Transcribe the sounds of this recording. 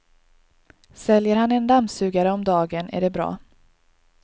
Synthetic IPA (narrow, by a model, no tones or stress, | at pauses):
sɛljəɾhanɛnd̪amsʉ̟ːɡaɾəɔmd̪ɑːɡənæ̰ɖɛbɾɑ̰ː